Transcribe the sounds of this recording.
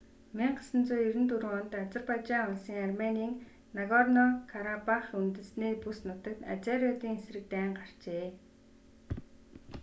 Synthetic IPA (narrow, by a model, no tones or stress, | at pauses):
miɴɢḁsə̆nt͡suːjiɾɘ̆nt̪uɾ̆ŋɔnt̪at͡sə̆rpat͡ɕaːŋʊɮsĭːŋarmeniːŋ | naɣɔrnɔkʰaɾapaχunt̪ɘ̆sniːpusnʊt̪ə̆k̚t̪a̰t͡saɾiɔt̪iːŋesrɘ̆k̚t̪æːɴɢar̥t͡ɕeː